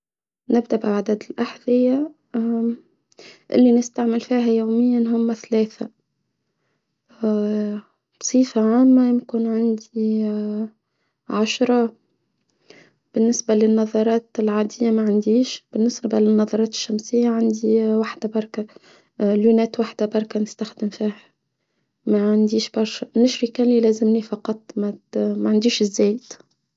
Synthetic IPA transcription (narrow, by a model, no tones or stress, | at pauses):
nɪbd̪aʔbɪʕad̪aːd̪ɪlʔaħðɪjːa | ʔɪ̰lːinɪst̪aʕmɪlfiːɦajoːmɪjːanɦʊmːaθaleːθa | bsˤiːfaʕaːmːajɪmkʊnʕɪnd̪i | ʕaʃɾˤɑ | b̥ɪnːɪsbalɪnːɑðˤɑɾˤɑːt̪lʕaːd̪ɪjːamaʕand̪iːʃb̥ɪnːɪsbabalɪnːɑðˤɑɾˤɑːt̪ɪ̥ʃːamsɪjːaʕand̪iwaħd̪̥abɑɾˤka | ljunɛːt̪waħd̪abɑɾˤkanɪst̪axd̪ɪmfiːha | maʕand̪iːʃbɑɾˤʃanɪʃɾikælilæːzɪmnifɑqɑt̪ˤːmamaʕand̪iːʃɪzːæːjt̪